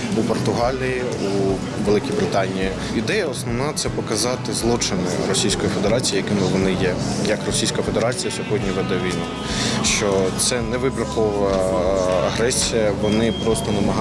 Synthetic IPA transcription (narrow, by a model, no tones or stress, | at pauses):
upɔrt̪ʊɦɑlʲiji | u | ʋelˠɪkʲijbɾɪt̪ɑnʲiji | ɪd̪ɛjɐɔsnɔʋnɑt̪sɛpɔkɐzɑt̪ɪzlˠɔt͡ʃɪnɪ̰ɾɔsʲijsʲkɔjife̞d̪eɾɑt͡sʲijijɐkɪmɪʋɔnɪjɛjɐkrɔsʲijsʲkɐɐfe̞d̪eɾɑt͡sʲijɐsʲɔɦɔdʲnʲiʋɛd̪ɛʋʲijnu | ʃt͡ʃɔt̪sɛnɛʋɪbɾʲɐkɔʋ | ɐɦɾɛsʲijɐʋɔnɪpɾɔst̪ɔnɐmɐɦ